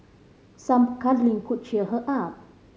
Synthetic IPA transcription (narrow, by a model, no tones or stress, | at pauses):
sampkadliŋkʰut̚t͡ʃiəɦəʔap̚